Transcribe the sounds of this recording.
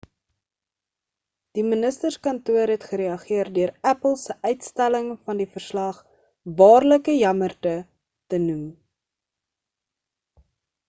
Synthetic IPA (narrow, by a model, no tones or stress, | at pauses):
d̥imənəstərskɐntuəɾɦɛtχəɾeɐχiərdøəɾæpəlˠsəʔœɥtstæləŋfɐndifərslɐχ | vɑːrləkəjɐmərtə | tənum